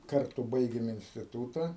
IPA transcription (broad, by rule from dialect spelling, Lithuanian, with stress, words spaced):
ˈkɐrtʊ ˈbɐɪɡʲeːm ɪnʲsʲtʲɪˈtuːtɐ